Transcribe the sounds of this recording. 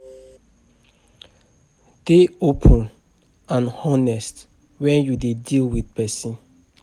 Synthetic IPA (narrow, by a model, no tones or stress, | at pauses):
d̥eopʰə̃n | ãnhɔnɛst | wɛ̃njudedilwidpɛsĩn